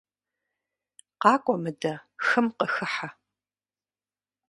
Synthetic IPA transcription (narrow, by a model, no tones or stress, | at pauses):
qɑːkʷʼɔmɨdɐxɨmqəxɨħa